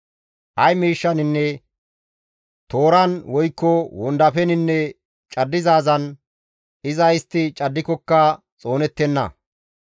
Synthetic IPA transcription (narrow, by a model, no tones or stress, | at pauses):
ʔɐjmiːʃːɐnɪnːɛ | t̪o̞ːɾɐnwɔjkːɔwɔnd̪ɐpɛnɪnːɛ | t͡ʃʼɐd̪ːɪzaːzɐn | ɪzɐɪst̪ːɪt͡ʃʼɐd̪ːɪkɔkːɐ | t͡sʼo̞ːnɛt̪ːɛnːɐ̰